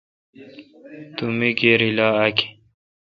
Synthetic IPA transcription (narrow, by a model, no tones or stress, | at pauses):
t̪umikeɾilaːaki̥